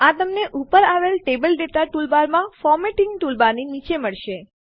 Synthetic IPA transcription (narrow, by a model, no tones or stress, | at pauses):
at̪əmneʔupəɾaʋelʈebəlɖeʈaʈulbaɾmãfɔɾmeʈɪŋɡʈulbaninit͡ʃeməɭʃe